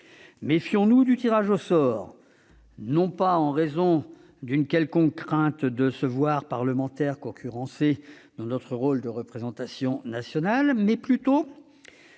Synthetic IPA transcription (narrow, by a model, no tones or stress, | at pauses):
mefjɔ̃nud̪yt̪iʁaʒosɔːʁ | nɔ̃paɑ̃ʁezɔ̃ | d̪ynkʲɛlkɔ̃kːχɛ̃t̪d̪əsəvwaʁpaʁləmɑ̃t̪ɛʁkɔ̃kʲʰyʁɑ̃se | d̪̥ɑ̃nɔt̪χəʁold̪əʁəpχezɑ̃t̪asjɔ̃nasjɔnalmɛplyt̪o